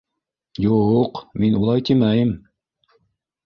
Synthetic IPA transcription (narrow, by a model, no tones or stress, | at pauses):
juqminulˠɑjt̪ʰimæjɘm